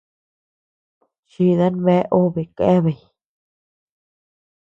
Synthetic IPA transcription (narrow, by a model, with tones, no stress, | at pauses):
ʃi˧ða˦nβe˦ʔo˦βe˨ke˦βe˨j